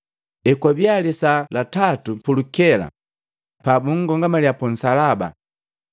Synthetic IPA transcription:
ɛkwabjalisalatatupulukɛla̰ | pabuŋɡɔŋɡamaljapun̩salaba̰

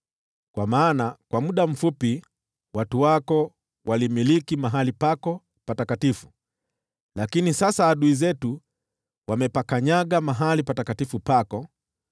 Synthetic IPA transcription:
kwamaːnakwamuɗam̩fupi | watuwakɔ | walimilikimaɦalipakɔ | patakatifu̥ | lakinisasaːɗuizɛtu | wamɛpakaɲaɠamaɦalipatakatifupakɔ

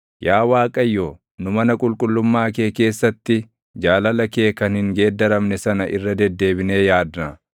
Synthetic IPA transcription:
jaːwaːkʼɐjːo | nʊmɐnɐkʼʊlkʼʊlːʊmːaːke̞ːke̞ːsːɐt̪ːɪ | d͡ʒaːlɐlɐke̞ːkɐnhɪŋɡe̞ːd̪ːɐɾɐmnɛsɐnɐʔɪ̰rːɐd̪ɛd̪ːe̞ːbɪne̞ːjaːd̪nɐ

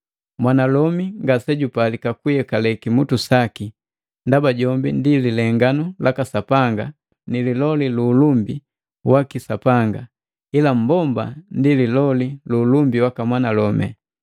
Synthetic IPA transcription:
mwanalɔmiŋɡasɛɟupalikakujɛkalɛkimutusaki | ndabaɟɔmbindililɛŋɡanulʔakasapaŋɡa | nililɔliluːlumbi | wakisapaŋɡa | ilam̩bɔmba̰ndililɔliluːlumbiwakamwanalɔmɛ̰

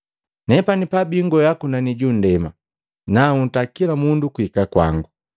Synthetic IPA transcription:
nɛpanipabiŋɡɔjakunaniɟun̩dɛma | naun̩takilamundukuikakwa̰ŋɡu

